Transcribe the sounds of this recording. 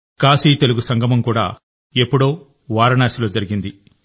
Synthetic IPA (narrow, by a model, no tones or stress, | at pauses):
kaːsiːt̪e̞luɡusɐŋɡʱɐmɐmkuːɽa̰ː | e̞pːuɽoː | ʋaːɾɐnaːʃilo̞ːd͡ʒɐɾiɡind̪i